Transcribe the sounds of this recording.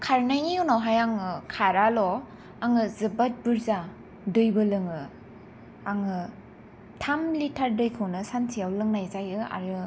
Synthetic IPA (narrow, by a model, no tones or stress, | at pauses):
kʰaɾnajniunawɦajaŋɯkʰaɾalɔ | aŋɯzɯbat̚bɯɾza | dɯjbɯlɯŋɯ | aŋɯ | tʰamlitʰaɾdɯjkʰɯwnɯsansʰijawlɯŋnajzajɯa̰ɾɯ